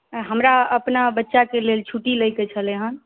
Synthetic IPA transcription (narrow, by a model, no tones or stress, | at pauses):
ɦəmɾaəpnabətːʃakelelt͡ʃʰuʈiləjkɛt͡ʃʰəleɦən